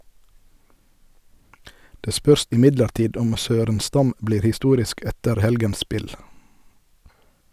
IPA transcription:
ˈdeː ˈspœɾs ɪˈmɪdləɾˌtiːd ˈɔm ˈsøːɾənˌstɑm ˈbliːɾ hɪˈstuːɾɪsk ˈɛtəɾ ˈhɛlɡəns ˈspɪl

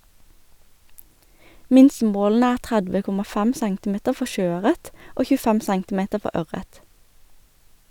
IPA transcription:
ˈmɪnsəˌmoːln̩ə ˈæːʁ ˈtʁædʋə ˈkʊmɑ ˈfæm ˈsæŋtɪˌmeːtəʁ ˈfɔ ˈʃøːˌœʁət ˈoː çʉːˈfɛm ˈsæŋtɪˌmeːtə ˈfɔ ˈœʁət

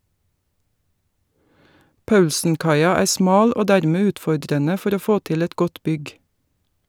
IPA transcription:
ˈpɑʉlsn̩ˌkɑɪɑ ˈæːɾ ˈsmɑːl ˈoː ˈdæːɾmeː ˈʉːtfɔɖɾənə ˈfɔɾ ˈoː ˈfoː ˈtɪl ˈɛt ˈɡɔt ˈbʏɡ

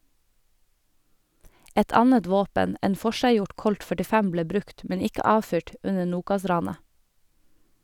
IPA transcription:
ˈɛt ˈɑnət ˈʋoːpən ˈeːn ˈfɔʃæɪˌjʊʈ ˈkɔlt fœʈɪˈfɛm ˈbleː ˈbɾʉkt ˈmɛn ˈɪkə ˈɑːˌfyːʈ ˈʉnə ˈnuːkɑˌsɾɑːnə

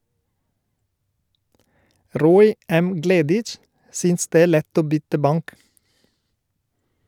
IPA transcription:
ˈɾoːɪ ˈɛm ˈɡleːdɪt͡ʃ ˈsyːns ˈdeː ˈeː ˈlɛt ˈoː ˈbʏtə ˈbɑŋk

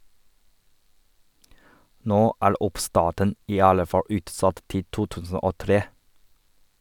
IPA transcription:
ˈnoː ˈæːɹ ˈʊpˌstɑːʈən ˈiː ˈɑlə ˈfɑ ˈʉːtˌsɑt ˈtɪ ˈtuː ˈtʉːsn̩ ˈoː ˈtɾeː

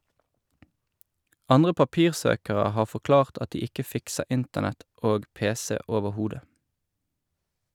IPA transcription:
ˈɑnʁə pɑˈpiːʁˌsøːkəʁə ˈhɑː fɔˈklɑːʁt ˈɑt ˈdiː ˈɪkə ˈfɪksə ˈɪntənɛt ˈoːɡ ˈpeːˌseː ˌoːʋəˈhuːdə

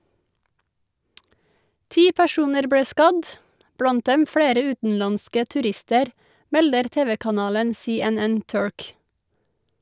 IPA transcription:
ˈtiː pæˈʃuːnəɾ ˈbɽeː ˈskɑd ˈblɑnt ˈdɛm ˈfɽeːɾə ˈʉːtn̩lɑnskə tʉˈɾɪstəɾ ˈmɛldəɾ ˈteːʋəkɑˌnɑːlən seːɛˈnɛn ˈtʉɹk

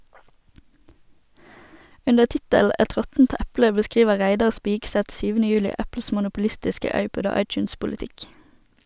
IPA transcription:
ˈʉndəʁ ˈtɪtəl̩ ˈʔɛt ˈʁɔtn̩t ˈʔæplə bəˈskʁiːʋə ˈʁæɪdɑʁ ˈspiːɡˌsɛt ˈsyːʋənə ˈjʉːlɪ ˈʔæpl̩s mʊnʊpʊˈlɪstɪskə ˈɑɪˌpɔd ˈoː ˈɑɪˌt͡ʃʉːnspʊləˌtɪk

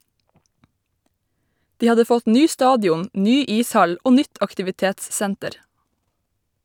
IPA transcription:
ˈdiː ˈɑdə ˈfɔt ˈnyː ˈstɑːdjʊn ˈnyː ˈiːsˌhɑl ˈoː ˈnʏt ɑktɪʋɪˈteːtsˌsæntəɾ

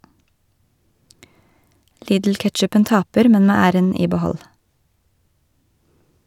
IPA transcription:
ˈliːdl̩ˌkɛtʃʉpən ˈtɑːpəɾ ˈmɛn ˈmeː ˈæːɾən ˈiː bəˈhɔl

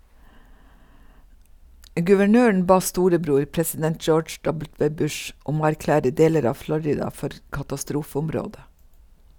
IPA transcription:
ɡʉʋəˈɳøːɳ̩ ˈbɑː ˈstuːɾəˌbɾuːɾ pɾɛsɪˈdɛnt ˈd͡ʒoːd͡ʒ ˈdɔbl̩ˌtʋeː ˈbʉʃ ˈʔʊm ˈoː æɾˈklæːɾə ˈdeːləɾ ˈɑː ˈflɔɾɪdɑ ˈfɔɾ kɑtɑˈstɾuːfəʊmˌɾoːdə

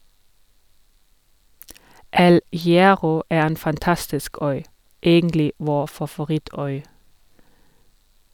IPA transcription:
ˈɛl hɪˈæːʁɔ ˈeː ˈeːn fɑnˈtɑstɪsk ˈœʏ ˈeːɡəntlɪ ˈʋoː fɑfʊˈʁɪˌtœʏ

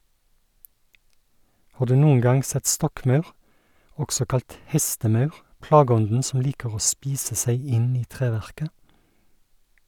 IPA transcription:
ˈhɑː ˈdʉː ˈnuːəŋ ˈɡɑŋ ˈsɛt ˈstɔkˌmɑʉʁ ˈɔksɔ ˈkɑlt ˈhɛstəˌmɑʉʁ ˈplɑːˌɡɔndn̩ ˈsɔm ˈliːkəʁ ˈoː ˈspiːsə ˈsæɪ ˈɪn ˈiː ˈtʁeːˌʋæʁkə

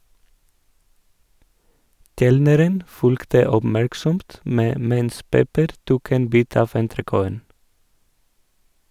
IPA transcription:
ˈkɛlnəɾən ˈfʉlktə ɔbˈmæɹksɔmt ˈmeː ˈmɛns ˈpɛpəɾ ˈtuːk ˈeːn ˈbiːt ˈɑːf ɛntɾəˈkoːən

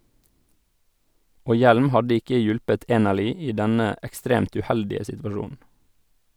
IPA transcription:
ˈoː ˈjɛlm ˈhɑdə ˈɪkə ˈjʊlpət ˈeːnəɭʏ ˈiː ˈdɛnə ɛkˈstɾeːmt ʉˈhɛldɪə sɪtʋɑˈʃuːn̩

